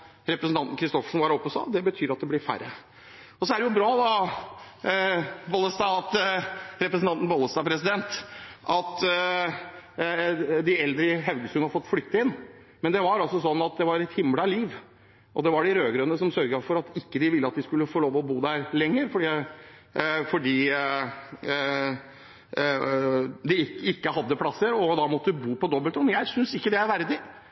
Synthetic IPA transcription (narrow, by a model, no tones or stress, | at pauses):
ɾɛpɾəsn̩t̪ɑnt̪n̩kɾɪst̪ɔfə̥ʂn̩ʋɑɾɔpːɔsɑ̰d̪ɛbət̪ʰyːɾɑt̪̚d̪ɛblɪɾfæ̰ɾə | ɔsɔæɖɛjʊbɾɑːd̪ɑ | boːləst̪ɑɑt̪ɾɛpɾəsn̩ʰɑnt̪n̩boləst̪ɑpʰɾɛsɪd̪ɛnt̪ʔɑt̪ | d̪ɪɛld̪ɾəɦɛʉɡəsʉnhɑɾfɔt̪ːflʏkt̪əɪn | mɛnd̪ɛʋɑɾɔsɔsɔnːɑt̪̚d̪ɛʋɑɾɛt̪hɪmlɑliːʋ | ʔɔ̰d̪ɛʋɑɖɪɾøːɡɾœnːəsɔmsœɾɡəfɔɾɑt̪ɪkːəd̪ɪʋɪlːəɑt̪̚d̪ɪskʉlːəfoːloːʋɔbuːd̪æɾlɛŋːəɾfɔɖiː | fɔɖiː | d̪ɪɪkːəɦɑd̪ːəpʰlɑsːəɾɔd̪ɑmɔt̪ːəd̪ʉbuːpɔd̪ɔbəlt̪ɔnjæɪsʏnsɪkːəd̪ɛæɾʋæɾd̪ɪ